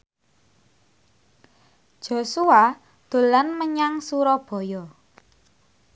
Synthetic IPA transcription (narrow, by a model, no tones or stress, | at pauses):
ʒ̥o̤sua | d̪̥o̤lanməɲaŋsuɾɔb̥ɔ̤jɔ